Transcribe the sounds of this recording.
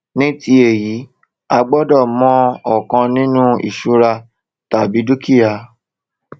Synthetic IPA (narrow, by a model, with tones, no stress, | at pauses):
nĩ˦ti˧˦e˦˨ji˨˦ | a˧ɡ͡bɔ˦dɔ˦˨mɔ̃˦ɔ˨kã˧nĩ˦nũ˦ḭ˨ʃu˧ɾa˧ | ta˨bi˨˦du˦ki˦a˧